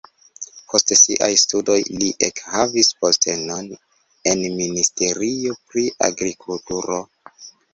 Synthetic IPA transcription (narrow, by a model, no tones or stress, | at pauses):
pʰo̞stesiʔajstudo̞jliʔekhavispostʰe̞no̞n | e̞nministe̞ɾio̞pɾia̰ɡɾikʰultuɾo̞